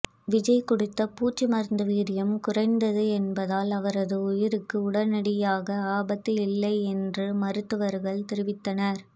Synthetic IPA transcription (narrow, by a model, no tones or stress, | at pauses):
ʋɪd͡ʒɐɪkʊɽɪt̪ːɐpuːt͡ʃːɯmɐɾnd̪ɯʋiːɾɪjɐmkʊrɐɪnd̪ɐðɯɛnbɐðaːlɐʋɐɾɐðɯʊjɪɾɯkːɯʊɽɐnɐɽɪjaːɣɐaːbɐt̪ːɪlɪlːɐɪɛndrɯmɐɾɯt̪ːɯʋɐɾɣɐɭt̪ɪɾɪʋɪt̪ːɐnɐɾ